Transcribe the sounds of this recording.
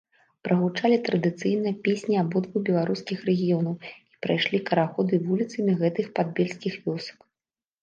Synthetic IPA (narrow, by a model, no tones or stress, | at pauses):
pɾɐɣut͡ʂalʲit̪ɾɐd̪ɨt̪sɨjnɨjɐpʲesʲnʲiabɔd̪vubʲɛlˠaɾuskʲixɾɛɣʲijɔnɐwi̥pɾajʂlʲikɐɾaxɔd̪ɨvulʲit̪sɐmʲiɣɛt̪ɨxpad̪bʲelʲsʲkʲixvʲɔsɐ̥k